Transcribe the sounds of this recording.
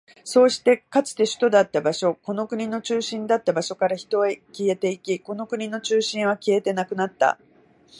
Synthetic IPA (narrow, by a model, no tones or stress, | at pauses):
so̞ːɕi̥t̪e̞kat͡sɨ̥t̪e̞ɕɨ̥t̪o̞d̪at̪ːabaɕo̞ko̞no̞kɯ̟ɲ̟ino̞t͡ɕɨːɕĩnd̪at̪ːabaɕo̞kaɾaçi̥t̪o̞e̞kʲie̞t̪e̞ikʲiko̞no̞kɯ̟ɲ̟ino̞t͡ɕɨːɕĩɰ̃β̞akʲie̞t̪e̞nakɯ̟nat̪ːa̰